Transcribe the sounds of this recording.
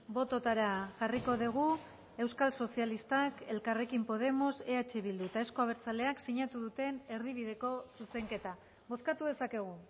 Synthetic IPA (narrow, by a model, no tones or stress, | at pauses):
bo̞t̪o̞t̪aɾaʝariko̞ðiɣ̞u | e̞wskalso̞sialist̪ake̞lkare̞kimpo̞ð̞e̞mo̞se̞at͡ʃe̞βild̪uet̪ae̞sko̞aβ̞e̞ɾt͡sale̞aksiɲat̪uðut̪e̞ne̞ɾðiβ̞iðe̞ko̞suse̞ŋke̞t̪a | βo̞skat̪uðe̞sake̞ɣ̞u